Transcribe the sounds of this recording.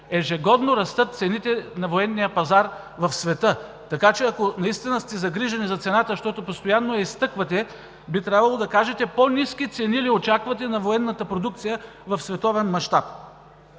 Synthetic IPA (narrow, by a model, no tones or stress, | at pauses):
ɛʒɛɡɔd̪noɾɐst̪ɤt̪̚t̪sɛnit̪ɛnɐvoɛnːijəpɐzaɾ | vɐfsvɛt̪ɤ | t̪ɐkat͡ʃɛɐkonɐist̪inəst̪ɛzɐɡɾiʒɐnizɐt̪sɛnat̪əʃt̪ɔt̪opost̪ojanːoɛist̪ɤkvɐt̪ɛ | bit̪ɾʲabvɐlˠod̪ɐkaʒɛt̪ɛponiskit̪sɛniliot͡ʃakvɐt̪̬ɛnɐvoɛnːɐt̪əpɾod̪uk̚t̪sijə | vɐfsvɛt̪ɔvɛnmɐʃt̪ap̚